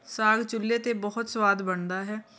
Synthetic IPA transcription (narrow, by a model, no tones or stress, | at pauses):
saːɡt͡ʃʊlːeːt̪eːbɔɦʊt̪swaːd̪bəɳd̪aːɦɛː